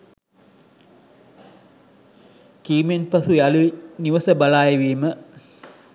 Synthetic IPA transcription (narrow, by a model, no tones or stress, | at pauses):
kiːmenpɐsujaluiniʋɐsəbɐlaːjeʋiːmə